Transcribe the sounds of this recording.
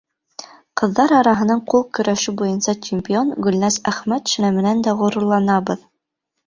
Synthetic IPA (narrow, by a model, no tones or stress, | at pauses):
qɤ̆ðːɑɾɑɾɑɦɤ̆nɑɴqulˠkɵ̆ɾʔæʃɘbujɤnsɑt͡ɕɪmʲpʲionɡɵ̆lnæsæχmæt̪ʃɵ̆næmɘ̆nænd̪æʁŏɾɤ̆ɾlˠɑnɑbɤð